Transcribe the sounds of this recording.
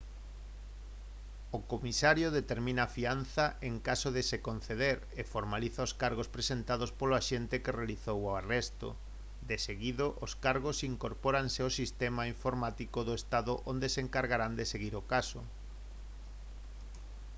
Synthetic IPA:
okomisaɾjoðet̪eɾmĩnaːfian̟θaʔeŋkasoðesekon̟θeðeɾ | efoɾmaliθaoskaɾɣospɾesent̪að̞ospoloaʃent̪ekerealiθowoarest̪o̰ | d̪eseɣiðoʔoskaɾɣosiŋkoɾpoɾanseosist̪ɛmaiɱfoɾmat̪ikoðoest̪aðʊʔond̪eseŋkaɾɣaɾand̪eseɣiɾokaso̰

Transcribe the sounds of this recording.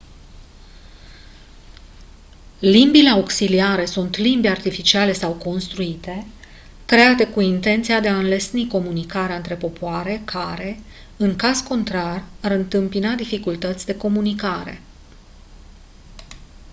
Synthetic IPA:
limbile̞aoksiliaɾe̞sunt̪limbʲart̪ifit͡ʃiale̞sawko̞nst̪ɾuit̪e̞ | kɾe̞at̪e̞kuint̪e̞nt̪sijad̪e̞aɨnle̞sniko̞munikaɾeaɨnt̪ɾe̞po̞poaɾe̞kʰaɾe̞ | ɨŋkazko̞nt̪ɾaraɾɨnt̪ɨmpinad̪ifikult̪ət̪sʲd̪e̞ko̞munikaɾe̞̰

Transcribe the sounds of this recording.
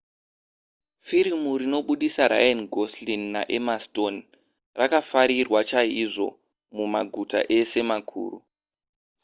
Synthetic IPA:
fiɾimuɾino̞ɓuɗisaɾa̰janɡʱoslinːa̰ʔemasto̞n | rakafaɾirwat͡ʃaiʐo̞̰ | mumaɡʱuta̰ʔe̞se̞makʰṵːru

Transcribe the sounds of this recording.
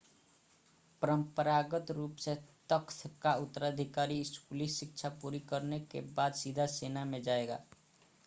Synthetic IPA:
pəɾəmpəɾaːɡət̪ɾuːpset̪əkt̪ʰkaʊt̪ːəɾad̪ʱikaːɾiɪskulisɪk̚t͡ʃʰapuːɾikəɾnekḛbaːd̪sid̪ʱaseːnamẽd͡ʒaːeɡa̰ː

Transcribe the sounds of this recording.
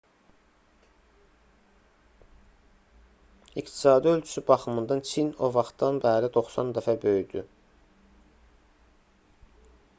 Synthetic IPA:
ikt̪ʰi̥sɑːd̪iø̞lt͡ʃʰy̥sybɑχɯmɯnd̪ɑnt͡ʃʰino̞vɑχt̪ɑnbæːɾid̪o̞χsɑnd̪æfæbø̞jd̪y

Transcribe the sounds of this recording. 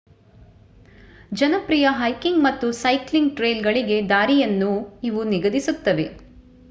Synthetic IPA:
d͡ʒɐnɐpɾijɐɦɐjkiŋɡmɐt̪ːusɐjkliŋɡ̚ʈɾejlɡɐɭiɡe̞d̪aːɾijɐnːuiʋuniɡɐd̪isut̪ːɐʋe̞

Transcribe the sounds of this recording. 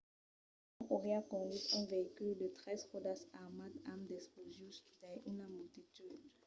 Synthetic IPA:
ãkoʁeakɔ̃d̪it̪ɛ̃veikyld̪ət̪χɛzʁod̪asaʁmad̪amd̪ɛsplozjɔ̃syt̪ɛ̃ʔynamylt̪it̪yd̪

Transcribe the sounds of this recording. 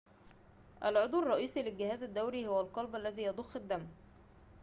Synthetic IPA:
ʔælʕod̪ˤwrˤːɑʔiːsilɪlɡɪhæːzæd̪ːæwɾihʊwælqɑlbʔælːæziːjɑd̪ˤoxːɪd̪ːæm

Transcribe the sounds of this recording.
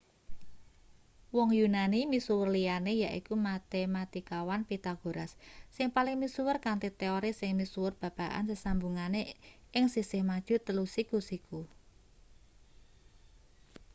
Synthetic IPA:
wɔŋjunanimisuwʊrlijanejaʔḭkumat̪emat̪ikawanpit̪aɡ̥o̤ɾasːɪŋpalɪŋmisuwʊrkant̪it̪eɔɾisɪŋmisuwʊrb̥ä̤b̥a̤ʔa̰nsəsambuŋane | ɪŋsisehmad̥ʒ̥ṳt̪əlusikusiku

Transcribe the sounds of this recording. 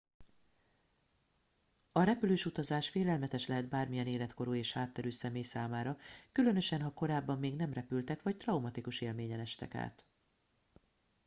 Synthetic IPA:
ɒɾɛpyløːʃut̪ɒzaːʃfeːlɛlmɛt̪ɛʃlɛɦɛd̪baːrmijɛneːlɛt̪ko̞ɾoːeːʃhaːt̪ːɛɾyːsɛmeːjsaːmaːɾɒkylø̞nø̞ʃɛnɦɒko̞ɾaːbːɒmːeːɡn̪ɛmrɛpylt̪ɛkʋɒct̪rɒwmɒt̪ikuʃeːlmeːɲɛnɛʃt̪ɛ̰ka̰ːt̪

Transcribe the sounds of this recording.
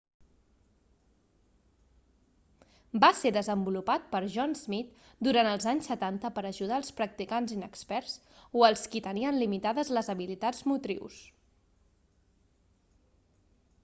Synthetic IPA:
baseðəzəmbulupat̪̚pəɾʒɔnzmit̪ | d̪uɾanəlˠzaɲsːət̪ant̪əpəɾəʒuð̞aːlˠspɾək̚t̪ikanzinəkspɛɾz | oəlˠskit̪əniənlimit̪aðəzləzəβilit̪ad͡zmut̪ɾḭws

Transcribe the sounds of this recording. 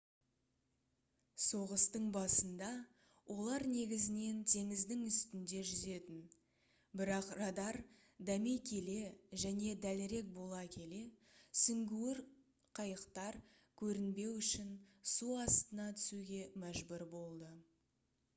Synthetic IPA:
so̞ʁəst̪əɴbɑsənd̪ɑ | wʔo̞lˠɑɾne̞ɡʲɪzɪne̞nt̪ʰe̞ŋɪzd̪ɪŋʏst̪ɪnd̪e̞ʒʏze̞t̪ɪn | bɪɾɑqrɑd̪ɑɾ | d̪ɑmekʲʰe̞le̞ʒæne̞d̪ælɪɾe̞k̚bo̞lˠɑkʲʰe̞le̞sʏŋɡʲuwɪɾ | qʰɑjəqt̪ɑɾ | kʲʰɵɾɪnbe̞wʏʃɪnsuɑst̪ənɑt̪ʰʏ̥suɡʲe̞mæʒbʏɾbo̞lˠd̪ə

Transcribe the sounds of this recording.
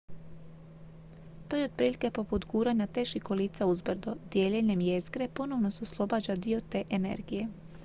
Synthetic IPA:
t̪oːjo̞d̪̥̚pɾiːlike̞po̞put̪ɡuːɾaɲat̪eʃikoliːt̪sauzbɾd̪od̪je̞ʎeʎemjezɡɾe̞po̞no̞ʋno̞seuslˠo̞baːd͡ʑad̪io̞t̪e̞ːʔene̞̰ɾɡije̞

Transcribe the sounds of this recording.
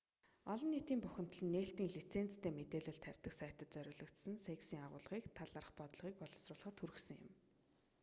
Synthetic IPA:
ɔɮɞ̆nːiːt̪iːmpʊxʲɪ̆m̥t̪ɮɘ̆nːeːɬt̪iːŋɮit͡sʰen̥t͡st̪ʰeːmet̪eːɮə̆ɬt̪ʰæw̥ʲt̪ə̆ksæjʰt̪ə̆t̪t͡sœɾʲʊːɮɞ̆kt̪sə̆nseksiːŋaʁʊ̰ːɮʁ̥iːkt̪ʰaɮaəːrə̆χpɔt̪̆ɮʁiːk̚pɔɮə̆wsrʊːɮ̆χə̆t̪ʰxuɾɘ̆xsə̆ŋjʊ̰̆m

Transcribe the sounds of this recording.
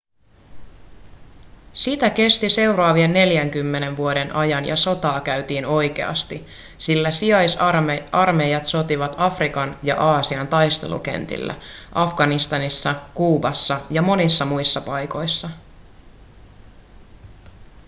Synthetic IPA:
sit̪æke̞st̪ise̞wrɑːʋienːe̞ljæŋk̟ymːe̞ne̞nʋuo̞de̞nʔɑjɑnjɑ̰so̞t̪ɑːkæyt̪iːno̞jk̟e̞̰ɑ̰st̪i | silːæsiɑjsɑrme̞jɑt̪so̞t̪iʋɑt̪ɑfrikɑnjɑ̰ʔɑːsiɑnt̪ɑjst̪e̞̰lṵk̟e̞̰nt̪ḭlːæ̰ʔɑfɡ̥ɑnist̪ɑnisːɑkuːbɑsːɑjɑmo̞nisːɑmujsːɑpɑjko̞jsːɑ

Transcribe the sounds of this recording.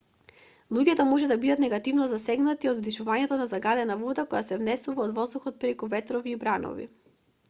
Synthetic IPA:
lˠuɟɛt̪ɔmɔʒɛd̪abid̪at̪nɛɡat̪ivnɔzasɛɡnat̪iod̪vd̪iʃuvaɲɛt̪ɔnazaɡad̪ɛnavɔd̪akɔjasɛvnɛsuvaod̪vɔzd̪uxɔt̪̚pɾɛkuvɛt̪ɾɔviːbɾanɔ̰vḭ

